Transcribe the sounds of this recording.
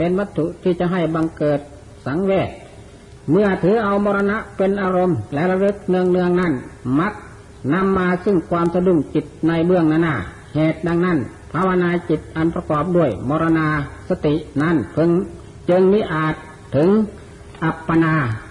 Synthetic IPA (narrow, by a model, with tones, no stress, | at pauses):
pe˧nʋa˧t̪ʰːu˧˨ʔt̪ʰiː˧˩t͡ɕa˧˦ɦa˧˩jba˧ŋkɤː˨˩t̪̚ | sa˨˦ŋweː˧˩t̪̚ | mɯ˧˩ɐt̪ʰɯː˨˦ʔa˧wmɔː˧ɾa˧na˧˥ʔpe˧˨nʔaː˧ɾo˧˥mlɛ˦˧˥la˧dɯ˧˥k̚nɯ˧əŋnɯ˧əŋna˧˥˩nma˧˦˥k̚ | na˧˥˨mːaː˧sɯ˧˩ŋkʰwaː˧msa˧du˧˩˨ŋt͡ɕi˨˧˩t̪̚na˧˥˨jbɯ˧əŋnaː˧˨naː˧˩ | heː˨t̪̚da˧ŋna˥˩˨n | pʰa˧˨wa˧naː˧t͡ɕi˨˧t̪̚ʔa˨˧˨npɾa˧kɔː˨˩p̚du˧˥˩əjmɔː˧ɾa˧naː˧sa˧t̪i˨ʔna˧˥˩npʰɤ˧ŋ | t͡ɕɯ˧ŋmiː˧˥˨ʔaː˨˩t̪ʰːɯ˨˦ŋ | ʔa˧pːa˧naː˧